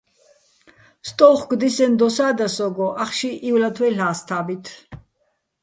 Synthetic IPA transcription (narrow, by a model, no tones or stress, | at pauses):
st̪ʼɔwχɡd̪isɛnd̪ɔsaːd̪asɔɡɔʔaχʃiʔiwlat̪ʰwɛɬaːst̪ʰaːbit̪ʰ